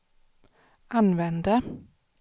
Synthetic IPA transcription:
ɑnʋɛnd̪ə

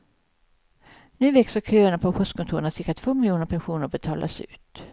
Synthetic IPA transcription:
nʉ̟ːvɛksəɾkʰøːəɳapʰɔpʰɔst̪kʰɔnt̪uːɾəɳasɪɾkat̪ʰv̥oːmɪljuːnəɾpʰɛnɧuːnəɾbɛt̪ʰɑ̰ːlʔa̰sʉ̟ːt̪

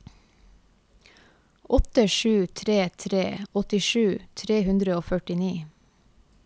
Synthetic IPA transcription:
ʔɔt̪əʃʉːt̪ʰɾeːt̪ʰɾeːɔt̪ɪʃʉːt̪ʰɾeːhʉnd̪ɾəoːfœʈɪniː

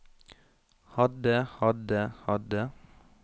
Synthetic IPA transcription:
hɑd̪əhɑd̪əhɑd̪ə

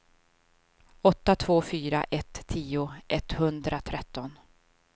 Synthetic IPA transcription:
ɔt̪ːat̪ʰv̥oːfyːɾa̰ʔɛt̪ʰːiːʊʔɛt̪hɵnd̪ɾat̪ʰɾɛt̪ːɔn

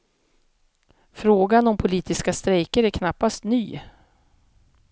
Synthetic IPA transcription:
fɾoːɡanɔmpʰʊliːt̪ɪskast̪ɾɛjkəɾæɾkʰnapːast̪nyː

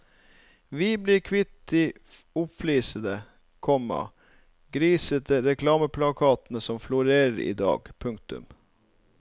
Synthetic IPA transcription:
ʋiːbliːɾkʰʋɪt̪ɪ | ʊpfliːsəd̪ə | kʰɔmɑ̰ | ɡɾiːsət̪əɾɛkʰlɑːməpʰlɑkʰɑːt̪n̩əsɔmflʊɾeːɾəɾḭːd̪ɑ̰ːɡpʰʉŋkt̪ʉ̰m

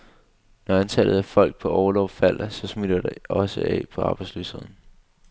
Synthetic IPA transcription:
nɒ̽ænt͡sʰɛlð̞̩ˠæfɒ̽l̰ɡ̥̚pʰɒ̽ʔɒʊlɒʊfæl̰sɒ̽smid̥ɐd̥eʔɒ̽səʔɛ̰ːpʰɒ̽ʔɑ̈ːb̥ɑ̈ɪdsly̰ːshe̝ð̞̰ˠn̩

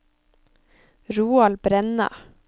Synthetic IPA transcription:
ɾuːɑlbɾɛnɑ̰

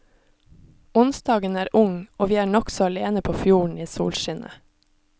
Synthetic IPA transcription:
ʊnsd̪ɑːɡənæːɾʔʊŋoːʋiːæːɳɔksɔɑleːnəpʰoːfjuːɳ̩iːsṵːlʃɪnʔə̰

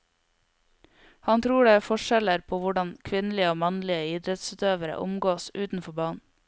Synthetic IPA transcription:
hɑnt̪ʰɾuːɖeːæːfɔʃɛləɾpʰoːʋʊɖɑnkʰʋɪnlɪəoːmɑnlɪəɪd̪ɾɛt̪sʉːt̪øːʋəɾə̰ʔʊ̰mɡoːsʉːt̪n̩fɔbɑːɳn̩

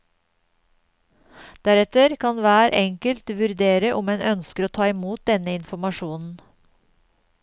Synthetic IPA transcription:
d̪̥æɾɛt̪əɾkʰɑnʋæːɾʔɛŋkəlt̪ʋʉɾd̪eːɾəʔʊmeːnʔœnskəɾoːt̪ʰɑːɪmuːt̪̚d̪ɛnəɪnfɔmɑʃuːnn̩

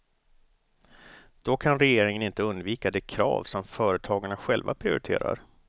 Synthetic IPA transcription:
d̪̥ɔkʰanɾɛjeːɾɪŋənɪnt̪əɵnd̪viːkad̪ɛkʰɾɑ̰ːvsɔmfœːɾət̪ʰɑːɡaɳaɧɛlva̰pʰɾɪʊ̰ɾɪt̪ʰḛːɾa̰ɾ

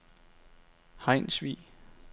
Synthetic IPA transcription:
hɑ̈ɪ̰nsʋḭː

